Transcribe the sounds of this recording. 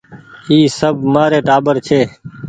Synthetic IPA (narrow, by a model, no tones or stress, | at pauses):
iːsəbʱmaːɾeːʈaːbəɾt͡ʃʰeː